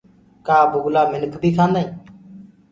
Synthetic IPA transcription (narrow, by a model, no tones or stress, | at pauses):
kaːbʊɡlaːmɪnəkʰbʱiːkʰãːnd̪aːĩː